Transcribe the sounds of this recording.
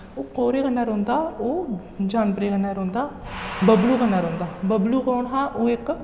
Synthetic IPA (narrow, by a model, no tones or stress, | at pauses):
oːkoːɾeːkənːaːɾõːnd̪aːoː | d͡ʒaːnpəɾeːkənːaːɾõːnd̪aːbəbluːkənːaːɾõːnd̪aːbəbluːkoːɳɦaːʔoːɪk